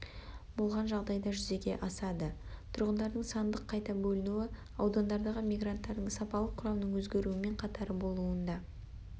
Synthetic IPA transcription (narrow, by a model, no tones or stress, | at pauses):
bʊlˠʁɑnʒɑʁd̪ɑjd̪ɑʒʏze̞ɡʲe̞ʔɑsɑd̪ət̪ʰʊɾʁənd̪ɑɾd̪əɴsɑnd̪əqʰːɑjt̪ɑbɵlɪnuɪ | ɑwd̪ɑnd̪ɑɾd̪ɑʁəmijɡrant̪ːɑɾd̪əɴsɑpɑlˠəqʰʊɾɑwnəɴwɵzɡʲe̞ɾuɪme̞ɴqʰɑt̪ɑɾəbo̞lˠuənd̪ɑ